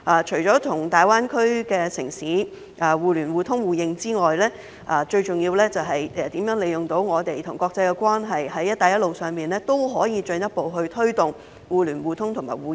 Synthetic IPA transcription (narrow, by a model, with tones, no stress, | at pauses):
ʔaː˨˧t͡ʃʰɵ˨˩ɥt͡sɔː˨˥t̪ʰʊ˨˩ŋt̪aː˨˩jwaː˥nkʰɵ˥ɥkɛː˧sɪ˨˩ŋsiː˨˥ | ʔaː˨˩wuː˨˧lyː˨˩nwuː˨t̪ʰʊ˥ŋwuː˨jɪ˧ŋt͡siː˥ŋɔː˨jlɛː˥ | ʔaː˨˩t͡ʃɵ˧ɥt͡ʃʊ˨ŋjiː˧wlɛː˥t͡sɐ˨wɦɐ˨jɛ˨˧t̪iː˨˥mjœː˨˥ŋle˨˧jʊ˨ŋt̪o˨˥wŋɔː˨˧t̪e˨jt̪ʰʊ˨˩ŋkʷwɔː˧k̚t͡sɐ˧jkɛ˧kʷwaː˥nɦɐ˨jhɐ˨˥jɐ˥t̪ːaː˨˩jɐ˥t̚lo˨wsœː˨ŋmiː˨nlɛː˥t̪o˥wɦɔː˨˥jiː˧t͡ʃɵ˧njɐ˥t̚po˨˧wɦɵ˧ɥt̪ʰɵ˥ɥt̪ʊ˨ŋ | wuː˨˧lyː˨˩nwuː˨˧t̪ʰʊ˥ŋt̪ʰʊ˨˩ma̰ː˨˩jwuː˨˧